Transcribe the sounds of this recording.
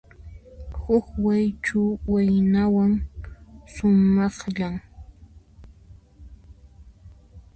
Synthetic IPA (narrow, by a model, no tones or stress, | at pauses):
hʊkwajt͡ʃʊwajnawaŋ | sʊmɑχʎaŋ